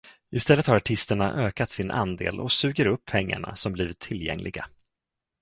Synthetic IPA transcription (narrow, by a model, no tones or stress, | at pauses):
ɪst̪ɛlːət̪haɾaʈʰɪst̪əɳa̰ʔøːkat̪sɪnʔa̰nd̪ḛːlɔ̰ksʉ̟ːɡəɾɵpʰːɛŋːa̰ɳa̰sɔmbliːvɪt̪ʰːɪljɛ̰ŋlɪɡa